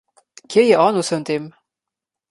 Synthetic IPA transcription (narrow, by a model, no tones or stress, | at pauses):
kʰejĕʔɑnusɤ̆nt̪em